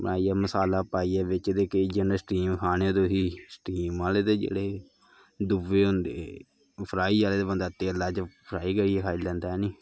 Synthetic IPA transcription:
bəaːiːaːməsaːlaːpaːiːaːʋɪt͡ʃeːd̪eːked͡ʒənəsʈiːmkʰaːñeːod̪oːɦiːsʈiːmːaːleːd̪eːd͡ʒḛːɽeː | d̪ʊʋeːɦʊ̃nd̪ḛː | pʰɾaːiːd͡ʒaːleːd̪eːbənd̪aːt̪ːeːəlaːd͡ʒpʰɾaːiːkəɽiːekʰaːiːlɛ̃ːnd̪aːniː

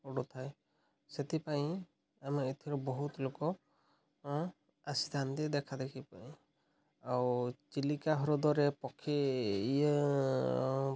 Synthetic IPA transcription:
uɽut̪ʰaj | set̪ipaĩ | amait̪ʰiɾɔbɔɦut̪lokɔ | asid̪ʰʱant̪ɛd̪ɛkʰad̪ekʰipa̰ĩ | awt͡ʃilikaɦɔɾɔd̪ɔɾepɔkʰːeij

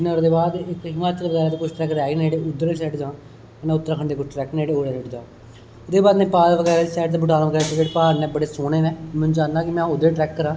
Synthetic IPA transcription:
nəɾd̪eːbaːd̪ɪkɦɪmaːt͡ʃəlʋəɡɛːɾaːd͡ʒ̪iːkʊt͡ʃʰʈɾɛːkɾɛːɡiːneːɽeːʊd̪ːəɾesɛʈd͡ʒãː | nãːʊt̪ːɾaːkʰəɳd̪eːkʊt͡ʃʰʈɾɛːknːeeːoːɽeːseʈd̪aː | od̪eːbaːd̪nẽːpaːd̪ʋəɡɛːɾaːd͡ʒiːsɛːʈt̪aːbʊʈaːnʋəɡɛːɾaːkːkeːʈpaːɾnɛ̃ːbəɽeːsoːneːnɛːmʊ̃nd͡ʒãːnd̪ãːkɪmɛ̃ːod̪eːʈɾɛːkːəɾãː

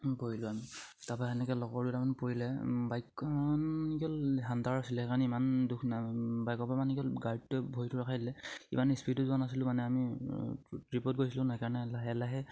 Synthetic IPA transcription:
bojilʊami | tapaɛnɛkɛlɔkɔɹdutamanpoɹilɛbajkːɔanikɔlɦandaɹasilɛɛkaɹnɛimandukʰnabajkɔpamanikɔlɡaɹd̚tɛbʱojtʰʊɹakʰajdilɛḭmanispitʊzuanasilʊmanɛami | tɹipɔt̚ɡojsilʊ̃najkaɹɔnɛlaɦɛlaɦɛ

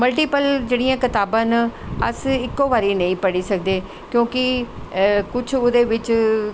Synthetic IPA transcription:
məlʈiːpəld͡ʒeːɽijãːkɪt̪aːbãːnəsɪkːoːʋaːɾiːnəĩːpəɽiːsək̚d̪eː | kjõːkɪ | kʊt͡ʃʰoːd̪eːʋɪt͡ʃ

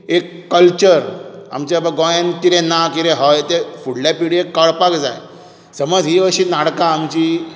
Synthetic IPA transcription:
ekːəlt͡ɕəɾa̰mt͡ɕabəɡɔ̃jənt̪iɾẽnakiɾẽɦəjt̪efuɽlapiɽiekːəɭpakd͡za̰j | səməd͡zɦiʋəɕiːnaɽkãːmt͡ɕi

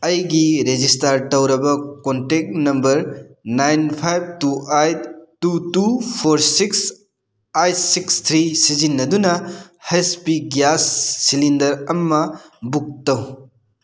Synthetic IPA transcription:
ɐjɡiɾed͡ʒistaɾtɐwɾɐbɐkontek̚nɐmbɐɾnajnpʰajb̚tuajt̪ːutupʰoɾsiks | ajtsikst̪ʰɾisizinːɐdunɐ | hejspiɡjasːilindɐɾɐmːɐbuk̚tɐw

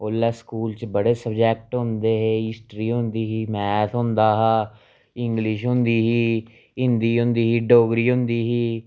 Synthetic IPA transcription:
oːlːɛːskuːlt͡ʃbəɽeːsəbd͡ʒɛːk̚ʈɦʊ̃nd̪eːɦeːɦɪsʈɾiːɦʊ̃nd̪iːɦiːmɛːt̪ʰɦʊ̃nd̪aːɦaː | ɪŋɡlɪʃɦʊ̃nd̪iːɦiː | ɪnd̪iːɦʊ̃nd̪iːɦiːɖoːɡɾiːɦʊ̃nd̪iːɦiː

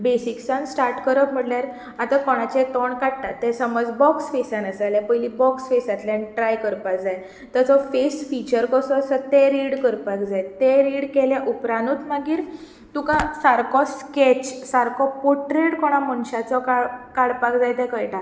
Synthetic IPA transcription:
besiksãnsʈaɾʈkəɾəkm̤əɽljaɾ | at̪akɔɽ̃at͡ɕɛt̪ɔɳkaʈt̪at̪ːɛ̃səmɔd͡zbɔksfesanəsaljapəjlibɔksfesat̪lãnʈɾajkəɾpakd͡zaj | t̪at͡sɔfesfit͡ɕəɾkɔsɔːsət̪eɾiɽkəɾpakd͡zajt̪eɾiɽkɛljaʔupɾanut̪maɡiːɾ | t̪ũkãsaɾkɔsket͡ɕsaɾkʰɔpoʈɾeɽkɔɽ̃amənɕat͡sɔkakaɽpakd͡zajt̪ɛ̃kəjʈa

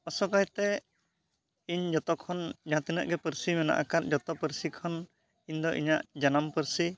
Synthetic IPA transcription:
ɔsɔkajt̪ɛ | iɲd͡ʒɔt̪ɔkʰɔnd͡ʒãt̪inəʔɡɛpəɾsimɛna̰ʔa̰kaɾ̚d͡ʒɔt̪ɔpəɾsikʰɔn | iɲd̪ɔʔḭɲaʔd͡ʒanampəɾsi

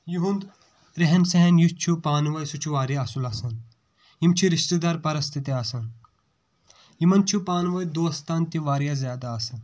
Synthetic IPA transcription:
juɦũnd̪ | ɾeɦɐnsɐɦɐnjut͡ʃʰupaːnʋɐjsut͡ʃʰuʋaːɾiɐsulɐsɐn | imt͡ʃʰiɾiʃt̪ed̪aːɾpɐɾɐst̪ʰit̪eɐsɐn | jimɐnt͡ʃʰupaːnʋɐjd̪oːɐst̪ʰaːnt̪iʋaːɾjazʲjaːd̪aːsɐn

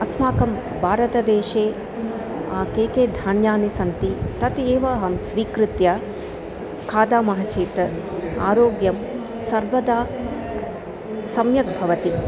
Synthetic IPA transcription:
ɐsmaːkɐm | bʱaːɾɐt̪ɐd̪eːʃeː | aːkeːkeːd̪ʱaːɳjaːnisɐnt̪it̪ɐt̪eːʋaːɦɐmsʋiːkɾɪt̪jaː | kʰaːd̪aːmɐɦɐt͡ʃeːt̪a̰ːɾoːɡjɐm | sɐɾʋɐd̪aː | sɐmjɐk̚bʱɐʋɐt̪i

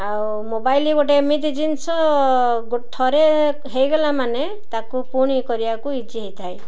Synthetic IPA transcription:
aw | mobajliɡoʈemit̪id͡ʒinsɔ | ɡoʈʰːɔɾe | ɦejɡɔlamane | t̪akupuɽ̃ikɔɾiakuid͡ʒiɦejt̪ʰaj

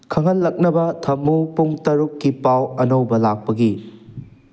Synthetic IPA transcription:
kʰɐŋɐlːɐk̚nɐbɐtʰɐmupuŋtɐɾukːipawɐnɐwbɐlak̚pɐɡi

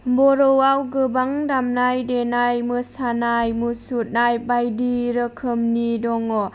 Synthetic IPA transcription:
bɔɾowawɡɯbaŋdamnajdenajməsanajmusut̪̚najbajdiɾəkʰəmnidɔŋɔ

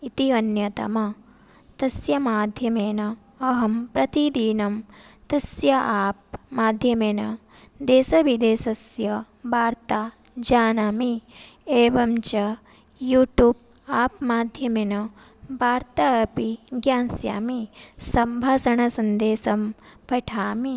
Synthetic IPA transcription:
it̪iɐnjɐt̪ɐ̰mɐ | t̪ɐsjɐmaːd̪ʱjɐmeːnɐ | ɐɦɐmpɾɐt̪id̪iːnɐmt̪ɐsjɐʔaːp̚maːd̪ʱjɐmeːnɐ | d̪eːsɐʋid̪eːsɐsjɐ | baːɾt̪aː | d͡ʒaːnaːmi | eːʋɐmt͡ʃɐ | juːʈjuːb̚ | aːpmaːd̪ʱjɐmeːnɐ | baːɾt̪aɐpiɡjaːnsja̰ːmisɐmbʱaːsɐɳɐsɐnd̪eːsɐmpɐʈʰaːmi

